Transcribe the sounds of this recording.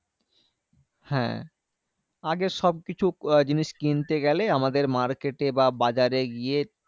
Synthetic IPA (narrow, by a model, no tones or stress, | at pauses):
hɛ̰̃ | aɡeʃɔb̚kit͡ɕʰud͡ʑiniʃkint̪eɡɛleamad̪eɾmaɾkeʈebabad͡ʑaɾeɡije